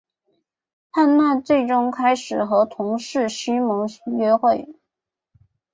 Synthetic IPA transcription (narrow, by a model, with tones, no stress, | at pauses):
tʰa˥˧nma˥˧nt͡swe˥˩ɪʈ͡ʂʊ˥ŋkʰa˥ɪʂɻ̩˨˩xɤ˧˥t̪ʰʊ˧˥ŋʂɻ̩˥˩ɕy˥mɤ˧˥ŋɥɛ˥xwe˥˩ɪ